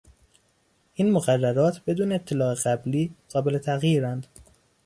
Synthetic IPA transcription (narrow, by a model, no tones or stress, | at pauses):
ʔiːnmoɣærːæɾɒːt̪ʰbe̞d̪uːneːt̪ʰːe̞lɒːe̞ɣæbliːɢ̥ɒːbele̞t̪ʰæɣjiːɾænd̪̥